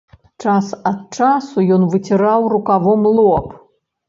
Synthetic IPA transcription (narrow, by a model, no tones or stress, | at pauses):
t͡ʂasɐt̪̚t͡ʂasujɔnvɨt͡sʲiɾawrukavɔmlˠɔp